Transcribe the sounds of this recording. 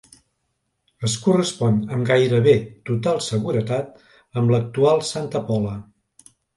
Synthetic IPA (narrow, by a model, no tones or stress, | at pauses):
əskurəspɔnəmɡajɾəβet̪ut̪alˠsəɣuɾət̪at̪̚ | əmblək̚t̪ualˠsant̪əpɔlə